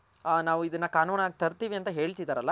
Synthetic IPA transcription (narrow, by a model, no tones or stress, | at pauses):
naːʋuid̪ɐnːɐkaːnuːnaːɡit̪ɐɾt̪iːʋiɐnt̪ɐɦe̞ːɭt̪id̪aɾɐlːɐ